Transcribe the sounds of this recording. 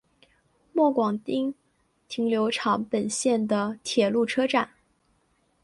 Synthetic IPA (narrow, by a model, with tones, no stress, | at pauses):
mwɔ˥˩kwɑ˨˩ŋt̪i˥ŋ | t̪ʰi˧˥ŋljo˧˥ʊʈ͡ʂʰɑ˧˥ŋpə˨˩nɕjɛ˥˩nd̪ə˩t̪ʰjɛ˨˩lu˥˩ʈ͡ʂʰɤ˥ʈ͡ʂa˥˩˦n